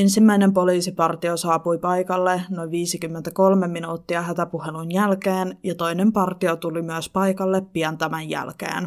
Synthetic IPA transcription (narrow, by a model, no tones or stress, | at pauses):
ensimːæinempoliːsipɑrt̪iosɑːpujpɑjkɑlːenoiʋʋiːsikymːent̪æko̞lmemːinuːt̪ːiɑhæt̪æpuhelunjælkeːnjɑt̪o̞inempɑrt̪iot̪ulimyæspɑjkɑlːepːiɑnt̪æmæjjæ̰lkḛːn